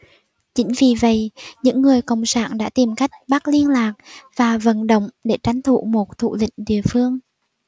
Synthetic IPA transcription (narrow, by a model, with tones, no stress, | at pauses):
t͡ɕï˨˦ŋ̟vi˨˩və̰˧˨jɲɨ̰˧˥ŋːɨ˨˩əjkə̰˧˨wŋ͡msa̰ː˧˩nɗa̰ː˧˥t̪i˨˩mka˦˥jk̟̚ɓa˦˥k̚li˧ənlaː˨˩k̚vaː˨˩və̰˧˨˩nɗə̰˧˨wŋ͡mɗe˧˩t͡ɕa˨˦ŋ̟t̪ʰṵ˧˨mo˨˩t̚t̪ʰṵ˧˨lḭ̈˧˨ŋ̟ɗḭ˧˨˩əfɨ˧əŋ